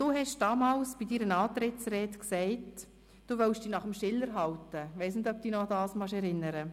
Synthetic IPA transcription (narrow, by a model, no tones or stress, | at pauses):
d̥uːɦɛʃd̥ɑːmɑːlsb̥idiːɾənɑːt̪ɾɪtsɾɛːtksɛɪt | d̥uːʋœlʃd̥iːnɑχəmʃɪlːəɾɦɑltəʋɛɪsnɪdœp̚d̥yːnɔɑdɑːsmɑʃɛɾɪnːəɾə